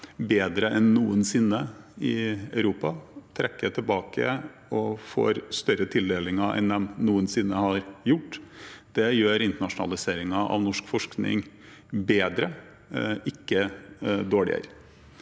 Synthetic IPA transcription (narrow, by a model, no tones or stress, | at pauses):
beːd̪ɾəʔɛnːuːənsɪnːəɪɑʉɾuːpɑt̪ʰɾʔɛkːəʈ̪ʰɪlbɑːkʰə̰ | ɔfo̰ːɾst̪œɾət̪ʰɪld̪eːlɪŋɑʔɛ̰nd̪ɛmnuːənsɪnːəhɑɾjʊʈːd̪̥ɛjøːɾɪnt̪əɳɑʂʊnɑ̰lɪseːɾɪŋɑʔɑ̰ʋnɔʂkfɔʂknɪ̰ŋ | beːd̪ɾə | ɪkːəd̪oːɭɪ̰ə̰ɾ